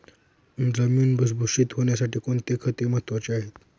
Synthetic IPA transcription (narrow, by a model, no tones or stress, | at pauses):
d͡zəmiːnbəs̬bʱuɕiːt̪ɦoɳjasaʈiːkoɳt̪ekʰət̪eməɦət̪ʋat͡ɕeaɦet̪